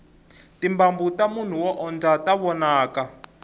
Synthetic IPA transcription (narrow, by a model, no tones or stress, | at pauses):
timbambutamun̤uwɔʔɔnd͡zataβɔnaːka